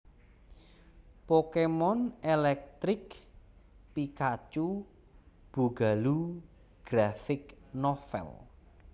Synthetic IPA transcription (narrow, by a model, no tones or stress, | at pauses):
pokemɔnelɛk̚t̪ɾɪk | pikat͡ʃu | b̥ṳɡa̤lu | ɡ̥ɾafɪknɔfɛ̰l